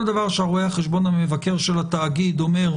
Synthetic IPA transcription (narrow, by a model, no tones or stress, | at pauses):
ld̪avaʁʃeaʁoehaχeʃbo̞namevake̞ʁʃelat̪aːɡid̪ome̞ʁ